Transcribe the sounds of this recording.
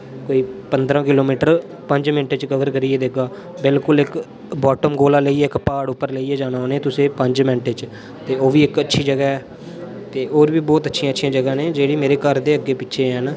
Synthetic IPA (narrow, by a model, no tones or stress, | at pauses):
koːiːpənd̪ɾãːkɪloːmiːʈəɾ | pəɲd͡ʒmɪ̃ɳʈet͡ʃkəʋəɾkəɾiːeːd̪eɡaː | bɪlkʊlɪk | bɔːʈəmɡoːlaːləiːɛːkpaːɽʊpːəɾləiːeːd͡ʒaːnaːoːneːt̪ʊsẽːpəɲd͡ʒmɛ̃ɳʈet͡ʃ | t̪eːoːʋiːɪkətːʃʰiːd͡ʒəɡaːɦɛː | t̪eːoːɾʋiːbɔːt̪ətːʃʰijãːtːʃʰijãːd͡ʒəɡãːnẽːd͡ʒeːɽiːmeːɾeːkəɾd̪eːəɡːeːpɪːʃʰeːɦɛːn